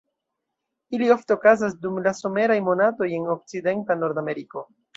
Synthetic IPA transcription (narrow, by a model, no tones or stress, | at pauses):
ilio̞fte̞okazas̬dumlaso̞me̞ɾajmo̞nato̞je̞no̞k̚t͡side̞ntano̞ɾdame̞ɾiko̞